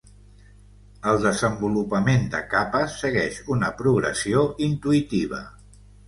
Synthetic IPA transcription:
əlˠd̪əzəmbulupəmend̪ə̰kapəsːəɣɛʃunəpɾuɣɾə̰sioʔint̪uit̪iβ̞ə̰

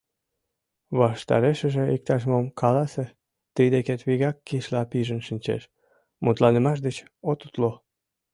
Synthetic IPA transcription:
βɑʃt̪ɑ̰ɾeʃəʒĕik̚t̪ɑʃmomkɑlɑse | t̪id̪eket̪βiɣɑkːiʃlɑpiʒənʃinʲt͡ɕḛʃ | mut̪lɑnəmɑʃ̬d̪ət͡ɕ | ot̪ut̪lo

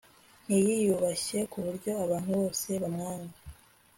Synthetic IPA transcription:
n̥ijijuβaɕe̞kuβuɾɟo̞aβaːn̥huβo̞ːse̞βamŋaːŋɡa

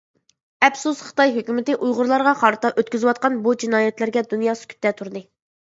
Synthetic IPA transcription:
ɛbsusχɨ̥t̪ɑjɦøkʲymɪt̪ɪʔujʁʊɾlˠɑɾʁɑχɑɾɨt̪ɑʔøt̪̚kʲyzɨwɑt̪̚qɑnbud͡ʒinɑːjɛt̪læɾɡʲɛd̪unjɑːsy̥kʲʰy̥t̪ːɛt̪ʰuɾɨd̪ɨ

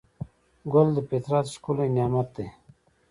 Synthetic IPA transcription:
ɡold̪əpet̪ɾɑt̪ʃkulenjɑmat̪̚d̪e

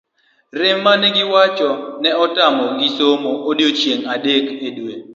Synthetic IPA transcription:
rɪmːanɛɡɪwat͡ʃɔnɛɔtamɔɡɪsomoːdjot͡ʃjeŋadekedwe

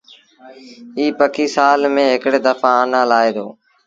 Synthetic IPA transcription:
iːpəkʰiːsaːlmẽːɦɪkɽeːd̪əfãːənãːlaːeːd̪o̰ː

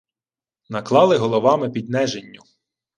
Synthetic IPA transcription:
nɐklˠɑlˠɪɦɔlˠɔʋɑmɪpʲid̪nɛʒenʲːʊ

